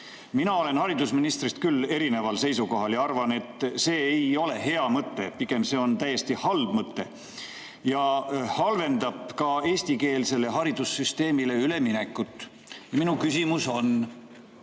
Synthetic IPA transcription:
minɑo̞le̞nhɑɾid̪̥usminist̪rist̪kylːe̞ɾine̞vɑlse̞jsuko̞ɦɑljɑɑrvɑne̞t̪ːse̞ːejo̞le̞ɦe̞ɑmɤt̪ːe̞piɡ̥e̞mse̞ːo̞nt̪æje̞st̪ihɑlbmɤt̪ːe̞̰ | jɑhɑlve̞nd̪ɑb̥kɑe̞ːsʲt̪ike̞ːlse̞lːe̞ɦɑɾid̪̥usːyst̪e̞ːmile̞yle̞mine̞kːˑut̪ːˑ | jɑminukysimuso̞n

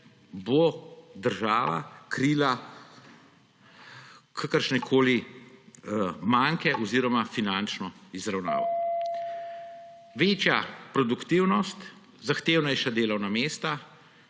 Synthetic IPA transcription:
bod̪əɾʒaːʋa̰kɾila | kʰakəɾʃnɛkʰoːli | maŋkɛʔɔziːɾɔmafinant͡ʃnɔizɾawna̰ːʋa̰ | ʋeːt͡ʃjapɾɔd̪ukt̪iwnɔst̪ | zaxt̪eːwnɛjʃad̪eːlɔwnameːst̪a

